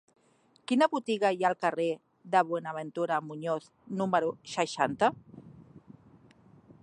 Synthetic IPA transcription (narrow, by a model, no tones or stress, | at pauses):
kinaβut̪iɣajalˠkare | ðəβwenaβent̪uɾamuɲoθ | numəɾusəʃant̪a